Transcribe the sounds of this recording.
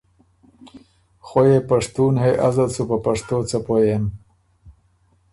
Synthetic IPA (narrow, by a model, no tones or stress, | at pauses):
xojepaʂt̪uːnheʔazalsupəpaʂt̪oːt͡sapojem